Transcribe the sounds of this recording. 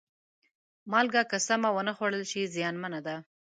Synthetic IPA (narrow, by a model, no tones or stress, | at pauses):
mɑlɡakasamawənəxwaɽəlʃizjɑnmanad̪a